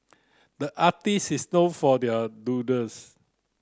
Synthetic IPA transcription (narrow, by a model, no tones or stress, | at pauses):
dəʔatisisnõfɔdɛədudəs